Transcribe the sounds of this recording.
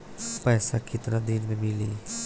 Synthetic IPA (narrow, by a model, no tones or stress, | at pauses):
pɛːsakɪt̪ɾad̪iːnmẽmili